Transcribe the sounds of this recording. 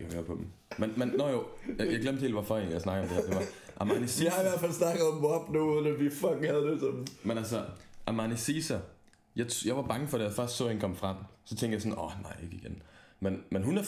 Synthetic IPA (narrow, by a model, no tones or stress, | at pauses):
kʰæhø̰ːɐpʰɒ̽b̥m̩ | menmenːɒjojɑjɑɪɡ̥lem̰d̥he̝ːlʋɑ̈fɒe̝ːnjaɪsnɑ̈ɡəɒmd̥eheɐd̥e̝ʋɑʔɑmɑnisihɑ̈iʋæɐd̥fælsnɑ̈ɡ̥əð̩ˠɒmɒb̥nuuðˠən̩æʋifɒɡ̥ŋ̩hæðˠd̥esɒmmenæls̬ɐʔæmɑnisiːsæ | jɑ̈ɪt͡sʰjɑ̈ɪʋɑ̈b̥ɑ̈ŋəfɒ̽d̥ejafɶɐ̰sd̥sɔ̰hinkʰɒ̽m̰fʁɑ̈d̥sɒ̽t͡sʰeŋɡ̥d̥jaɪsɒ̽nɒnɑ̈ɪ̰e̝ɡ̥əiɡ̥enmenmenɦunæ